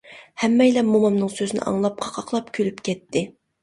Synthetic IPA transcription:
hɛmːɛjlɛmomɑmnɨŋsøzynɪ̰ʔɑ̰ŋlˠɑp̚qʰɑ̥qʰɑqlˠɑpkʲʰølypkʲʰɛt̪ʰːɪ

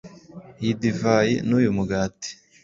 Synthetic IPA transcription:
idivajḭnuːjumuɡaːti̥

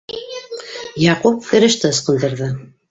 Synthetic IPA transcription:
jɑqup̚kɘ̆ɾɘ̆ʃt̪əːsqə̆nd̪ɤ̆ɾðɤ

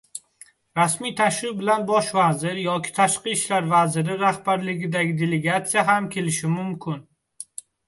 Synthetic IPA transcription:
ɾasmijt̪ʰaʃɾɪq̚bɪlanbɒʃvazɪɾjɒkʲʰɪ̥t̪ʰaʃqɨʃlaɾvazɪɾɪɾahbaɾlɪɡʲɪd̪aɡʲɪd̪e̞leɡat̪sijaɦamkʲʰe̞lɪʃɪmʊmkʲʰɪn

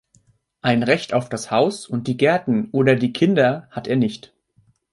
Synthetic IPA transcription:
ʔaɪnʁɛçtaʊfd̥ashaʊsʊnt̚d̥iːɡɛɐtn̩ʔoːdɐdiːkʰɪndɐhatʰeːɐnɪçt

